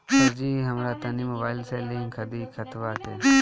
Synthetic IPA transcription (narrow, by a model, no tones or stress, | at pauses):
əɾd͡ʒiːɦəmɾaːt̪aniːməbaːɪlseːlĩŋɡkʰəd̪iːkʰət̪ʰʋaːt̪ḛː